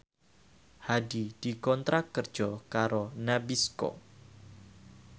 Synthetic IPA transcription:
hadid̥ikɔnt̪ɾakərd̥d͡ʒ̥ɔkaɾonabiskɔ̰

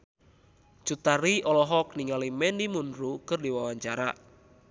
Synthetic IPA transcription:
t͡ʃut̪aɾiʔɔlɔɦɔk̚niŋalimɛnimunɾukɨrdiwawaɲt͡ʃaɾa̰

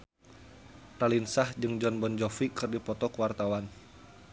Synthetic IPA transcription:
ralinsahd͡ʒɨŋd͡ʒɔnbɔnd͡ʒɔfikɨrdipɔt̪ɔkəwart̪awan

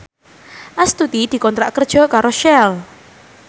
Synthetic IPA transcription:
ʔast̪ut̪id̪̥i̤kɔnt̪ɾaʔkərd̥ʒ̥ɔ̤kaɾoʃɛl

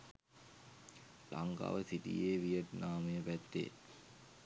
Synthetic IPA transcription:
laŋɡa̰ːʋəsiʈḭjeːʋijəʈnaːməjəpæt̪ːḛː

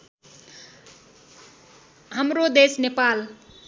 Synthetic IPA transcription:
ɦamrod̪esnepal

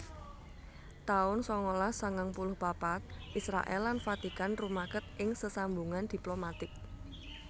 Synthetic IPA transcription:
t̪aʊnsɔŋolasəŋaŋpulʊhbapat̪̚ʔisɾa̰ʔɛ̰lːanfat̪ikanrumakət̪̚ʔɪŋsəsambuŋand̪̥i̤plomat̪ɪk̚

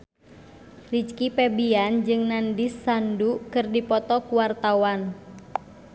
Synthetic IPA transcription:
rit͡ʃkipɛbiand͡ʒɨŋnandisːandukɨrdipɔt̪ɔkuwart̪awan

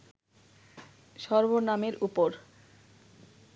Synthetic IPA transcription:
ʃɔɾbonameɾupoɾ

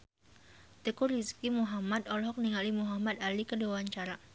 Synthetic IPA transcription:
t̪əkuɾiskimuɦamad̪ɔlɦɔk̚niŋalimuɦamad̪alikədowaɲt͡ʃaɾa

